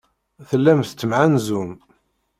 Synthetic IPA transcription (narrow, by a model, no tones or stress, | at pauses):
θəlːæmθt͡sːəmʕanzum